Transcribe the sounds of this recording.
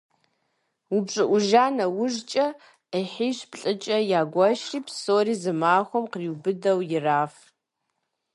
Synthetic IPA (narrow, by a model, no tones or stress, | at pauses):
ʊbɕʼɨʔʷʊʒaːnɐwʊʒt͡ʃʼɐ | əħiːɕpɬʼɨt͡ʃʼɐjaːɡʷɐʃriːpsoːriːzɨmaːxʷɔmqriwbɨdɐwjɪraːf